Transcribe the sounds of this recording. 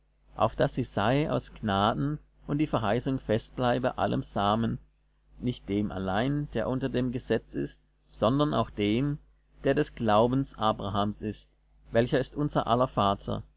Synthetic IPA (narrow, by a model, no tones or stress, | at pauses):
ʔa̰ʊfd̥asiz̥aɪʔa̰ʊsɡ̥naːdn̩ | ʔʊnt̚d̥iːfɛɐɦaɪsʊŋfɛst̚b̥laɪbəʔa̰lə̰mz̥aːmən | nɪçt̚d̥eːmʔa̰laɪnd̥eːɐʔʊntɐdeːmɡəzɛt͡sɪ̰st̚ | z̥ɔndɐna̰ʊxd̥eːm | d̥eːɐdɛsɡ̥laʊbn̩sʔaːbʁaɦaːmsɪst | vɛlçɐɪstʔʊnzɐ̰ʔalɐfaːtʰɐ̰